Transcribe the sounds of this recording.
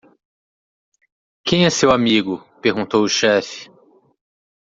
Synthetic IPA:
kẽj̃ɛsewamiɡʊpeɾɡũnt̪owʊʃɛfɪ̥

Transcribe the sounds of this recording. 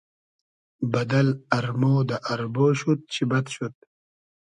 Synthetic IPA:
bɐd̪ɐlɐɾmoːd̪aʔɐɾboːɕut̪̚t͡ɕʰibɐt̪ɕut̪̚

